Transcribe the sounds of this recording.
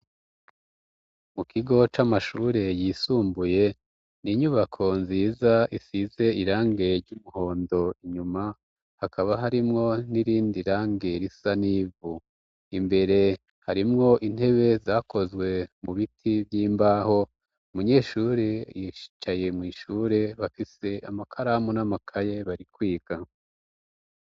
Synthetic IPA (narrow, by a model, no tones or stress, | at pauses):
mukʰiɡo̞t͡ʃamaʃuːɾe̞jiːsuːmbuje̞ | niɲuβakʰo̞nziːzaʔisize̞iɾaːŋɡe̞ɾɟumuho̞ːndo̞iɲuma | hakʰaβaɦaɾimŋo̞niɾiːndiɾaːŋɡe̞ɾisaniːvu | imbe̞ɾe̞ | haɾimŋo̞ʔin̥he̞βe̞zaːkʰo̞zɡwe̞muβitʰibjiːmbaːho̞ | umuɲe̞ːʃuːɾejiʃi̥t͡ʃaje̞mŋiːʃuːɾe̞βafise̞amakʰaɾaːmunamakʰajeβaɾikwiːɡ̥a